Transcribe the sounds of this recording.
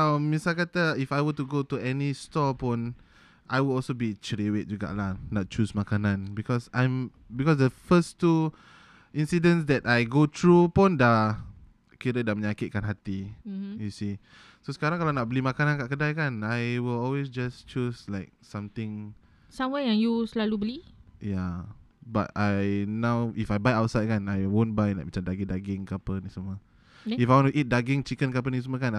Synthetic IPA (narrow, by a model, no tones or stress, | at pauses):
amisalkat̪aifajwətuɡotuɛnistɔpɔ̃n | ʔajwudɔlsobit͡ʃɹiwet̪̚d͡ʒuɡa̰ʔlanat̚t͡ʃusmakanãnbikɔsãjm | bikɔsdəfəstu | ĩnsidə̃nsdɛtajɡot̪ʰɹupɔ̃nda | kiɾədamə̃ɲakit̪̚kanɦat̪ijusi | sosə̥kaɾãŋkalanaʔ̚bəlimakanankaʔkədajkanajwilɔlwes̬d͡ʒast͡ʃuslaɪk̚sãmt̪ɪ̃ŋ | sãmwɛjaŋjuslalubəlijaba̰t̚ajnawʔifajbajawtsajd̚kanajwõnbajlajk̚mat͡ʃamdaɡĩdaɡɪ̃ŋkapənisəmə | ifajwɔ̃ntuʔit̪̚daɡɪŋt͡ʃikənkap̬ənis̬əməkan